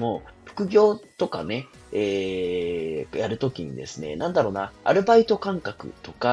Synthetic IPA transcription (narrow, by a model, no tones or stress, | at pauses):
moːɸɯ̟̥kɯ̟ɡʲo̞ːt̪o̞ka̰ne̞ | e | jaɾɯ̟t̪o̞kʲiɲ̟ḭd̪e̞̰sɨne̞̰nãnd̪aɾo̞ːnaa̰ɾɯ̟bait̪o̞kãŋkakɯ̟̰t̪o̞ka